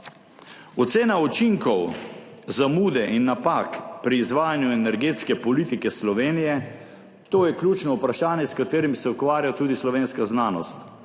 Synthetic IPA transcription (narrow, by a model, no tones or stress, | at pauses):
ɔt̪seːnaut͡ʃiŋkɔw | zamuːd̪ɛʔinːapakpɾiːzʋaːjanjuɛnɛɾɡeːt̪skɛpɔlit̪ikɛslɔʋeːnijɛ | t̪oːjɛkljut͡ʃnɔupɾaʃaːnjɛskat̪eːɾimsɛukʋaːɾjat̪uːd̪islɔʋeːnskaznaːnɔ̰st̪